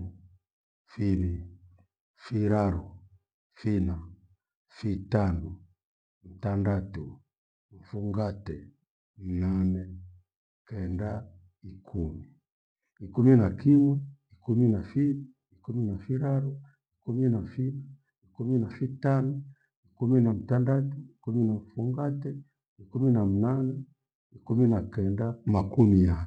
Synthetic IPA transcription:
fini | fiɾaɾu | fina | fitanu | m̩tandatu | ɱ̩fuŋɡatɛ | nanɛ | kɛnda | ikʰumi | ikuminakiɲɔikuminafii | ikuminafiɾaɾu | ikuminafina | ikuminafitanɔ | ikuminam̩tandatuikuminam̩fuŋɡatɛ | ikuminam̩nanɛ | ikuminakɛndamakumia

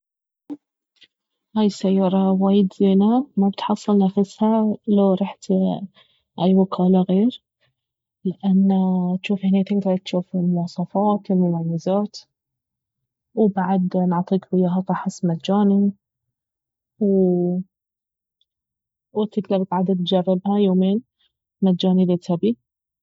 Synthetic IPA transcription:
haːjsajːɑːɾˤɑwaːjɪd̪zeːnamabɪt̪ħɑsˤːɨlnafɪshalaɾˤɑːħt̪ | ʔajwʊkʰaːlaɣeːɾ | lɪʔanːat̪ʃuːfhɪnet̪ɪkt̪ɑt̪ʃuːfɪlmʊwɑːsˤɑfɑːt̪ɪlmʊmamːɪzaːt̪ | wbaʕad̪nʕt̪ˤiːkwɪjːaɦɑt̪ˤɑħɪsmad͡ʒaːni | w | wɪt̪ːɪɡlabɪk̪ʕad̪ad̪̚d͡ʒarːɪbhajoːmeːn | mad͡ʒaːnilɪt̪ʰabi

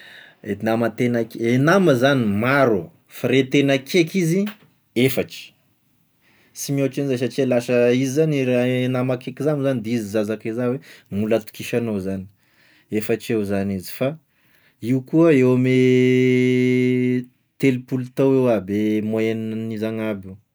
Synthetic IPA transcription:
enamat̪enakenaməzanimaɾu | faɾet̪enakʰekizi | efaʈ͡ʂi̥ | simoʈ͡ʂinizasat͡ʃelasəizizaniɾanamakekizamzanid̪izizazakezawemulət̪u̥kiʃanozani̥ | efaʈ͡ʂewzanizi̥fa | iukuəewame | t̪elupulut̪owewabemoennizaŋabu

